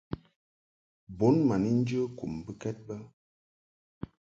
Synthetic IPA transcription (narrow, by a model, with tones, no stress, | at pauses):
bo˨˦nma˨ni˦n̩˦d͡ʒə˦ku˨mbə˦kɛ˦t̚bə˦